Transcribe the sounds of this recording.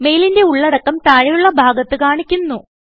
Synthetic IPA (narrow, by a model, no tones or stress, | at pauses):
me̞jlinde̞uɭːɐɽɐkːɐmt̪aːɻijuɭːɐbʱaːɡɐt̪ːɨkaːɳikʲːunːu